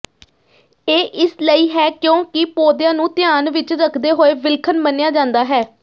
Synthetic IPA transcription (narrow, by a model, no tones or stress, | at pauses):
eːʔɪsləiːɦɛːkjõːkɪpoːd̪jãːnũːt̪ɪjaːnʋɪt͡ʃɾəkʰd̪eːɦoːeːʋɪlkʰənmənejaːd͡ʒãːnd̪aːɦɛː